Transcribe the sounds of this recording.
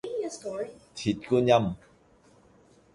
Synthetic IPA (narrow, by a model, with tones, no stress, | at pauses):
t̪ʰi˨˩t̚ku˦˥nja˥˨m